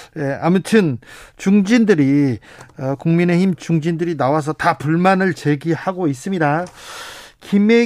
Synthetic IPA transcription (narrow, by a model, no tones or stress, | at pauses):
je̞amutʰɯnt͡ɕuŋd͡ʑindɯɾi | ʌkuŋmine̞çimt͡ɕuŋd͡ʑindɯɾinawas̬ʰʌtapuɭmanɯɭt͡ɕe̞ɡihaɡois͈ɯmɲida | kime